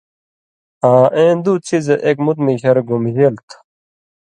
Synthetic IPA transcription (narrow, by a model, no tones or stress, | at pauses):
aːʔẽːnd̪ut͡sʰizeʔekmut̪miɕɐɾɡumʑelt̪ʰ